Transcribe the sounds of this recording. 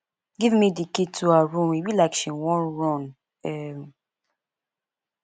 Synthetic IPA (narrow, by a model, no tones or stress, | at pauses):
ɡivmidikitʰuaɹũmibilakʃiwɔ̃nɹɔ̃n | ɛ